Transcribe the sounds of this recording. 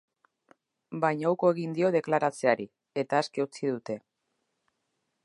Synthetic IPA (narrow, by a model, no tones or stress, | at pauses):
bajɲawko̞e̞ɣind̪io̞ð̞e̞klaɾat͡se̞aɾi | e̞t̪aːskeut͡siðut̪e̞